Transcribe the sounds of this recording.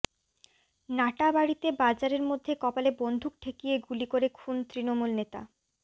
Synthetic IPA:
naʈabaɽit̪ebad͡ʑaɾeɾmod̪ʱːekɔpalebond̪ʱuk̚ʈʰekijeɡulikoɾekʰunt̪ɾinomulnet̪a̰

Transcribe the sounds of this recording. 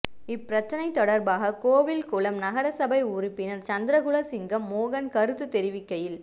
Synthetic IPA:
ɪpːɪɾɐt͡ʃːɐnɐɪt̪ːɔɽɐɾbaːɣɐkoːʋɪlkʊɭɐmnɐɣɐɾɐsɐbɐɪʊrɪpːɪnɐɾt͡ʃɐnd̪ɪɾɐɣʊɭɐsɪŋɡɐmːoːɣɐnkɐɾɯt̪ːɯt̪ɛɾɪʋɪkːɐjɪl

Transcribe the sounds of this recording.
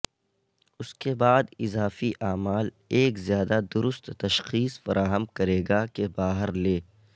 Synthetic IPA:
ʊskebaːd̪ɪzaːfiʔaːmaːl | eːkzjaːd̪ad̪ʊɾʊst̪t̪ɐʃxiːsfɐɾʔaːɦəmkɐɾeːɡakebaːɦəɾleː

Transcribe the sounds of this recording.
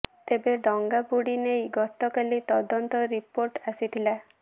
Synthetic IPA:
t̪ebeɖɔŋɡabuɽinejɡɔt̪ɔkalit̪ɔd̪ɔnt̪ɔɾipoɾʈasit̪ʰila

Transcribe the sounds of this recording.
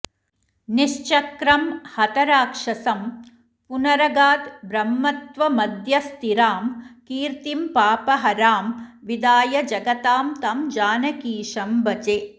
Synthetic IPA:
niʂt͡ʃɐkɾɐmhɐt̪ɐɾaːkʂɐsɐm | punɐɾɐɡaːt̪bɾɐmːɐt̪ʋɐmɐd̪ʱjɐst̪iɾaːmkiːɾt̪impaːpɐɦɐɾaːmʋid̪aːjɐd͡ʒɐɡɐt̪aːmt̪ɐmd͡ʒaːnɐkiːʂɐmbɐt͡ʃeː

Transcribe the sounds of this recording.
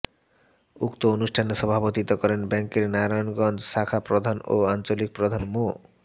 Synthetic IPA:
ukt̪oonuʃʈʰaneʃɔbʱabot̪it̪okɔɾenbɛŋkeɾnaɾajonɡɔnd͡ʑʃakʰapɾod̪ʱano̰ant͡ɕolik̚pɾod̪ʱanmo

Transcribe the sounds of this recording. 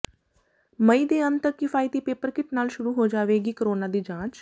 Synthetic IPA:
məiːd̪eːənt̪əkːɪfʰaːiːt̪iːpeːpəɾkɪʈnaːlʃʊɾuːɦoːd͡ʒaːʋeːɡiːkəɾoːnaːd̪iːd͡ʒãːt͡ʃ

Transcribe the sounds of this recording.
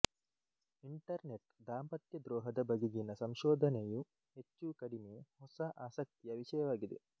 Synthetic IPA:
iɳʈɐɾneʈd̪aːmpɐt̪jɐd̪ɾoːɦɐd̪ɐbɐɡiɡinːɐsɐmʃoːd̪ʱɐneju | et͡ʃːuːkɐɖimeːhosaʔaːsɐk̚t̪ijɐʋiʃɐjɐʋɐɡed̪ḛ

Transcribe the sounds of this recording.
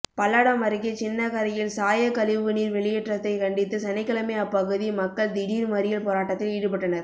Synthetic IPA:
pɐlːaːɽɐmɐɾɯɣit͡ʃɪnːɐkɐɾɐjɪlsaːjɐkɐlɪʋɯniːɾʋɛɭɪjɛʈrɐt̪ːɐɪkɐɳɖɪt̪ːɯsɐnɐɪkːɐlɐmeɐpːɐɣɯðimɐkːɐɭd̪ɪɽiːɾmɐɾɪjɐlpoːɾaːʈːɐt̪ːɪliːɽɯpɐʈːɐnɐɾ

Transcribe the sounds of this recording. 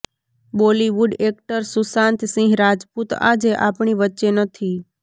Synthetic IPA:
boliʋuɖek̚ʈəɾsusãnt̪sĩɦɾad͡ʒput̪a̰d͡ʒeʔa̰pɳiʋətːʃenət̪ʰi

